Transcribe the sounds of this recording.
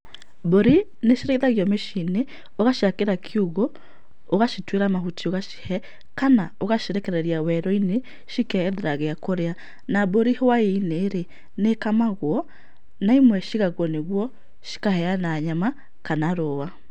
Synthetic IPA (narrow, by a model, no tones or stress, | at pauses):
boɾi | neʃiɾeiðaɣjɔmeʃine | oɣaʃiakeɾakʰiuɣo | oɣaʃitweɾamahutioɣaʃi̥hɛ | kanaoɣaʃeɾɛkɛɾɛɾiawɛɾɔine | ʃikɛðeɾaɣeakoɾea | naβoɾihowaeineːɾe | nekamaɣwɔ | naimwɛʃiɣaɣwɔneɣwɔ | ʃi̥kahɛanaːɲama | kanaɾowa